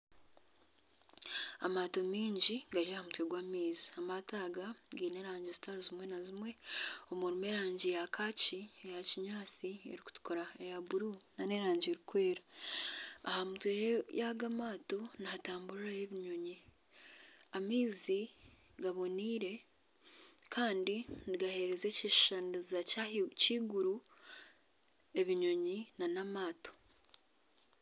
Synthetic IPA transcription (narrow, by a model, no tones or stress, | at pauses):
a̰maːto̞miːɲɟiɡaɾiahamutwe̞ɡwaːmiːziamataːɡaɡiːne̞ɾaːɲɟizitaɾuzimwe̞nazimwe̞omuɾime̞ɾaːɲɟijakʰaːciejaciɲaːt͡siḛɾiku̥tu̥koɾaejaβuɾunaneɾaːɲɟieɾikwe̞ːɾaː | hamutwejejaɡamaːto̞niataːmbuɾɾajeβiɲo̞ɲi | amiːzi | ɡaβo̞niːɾe̞ | kʰaːndiniɡahe̞ɾe̞zeceʃʃanizacaciːɡuɾu | e̞βiɲo̞ɲinanamaːto̞̥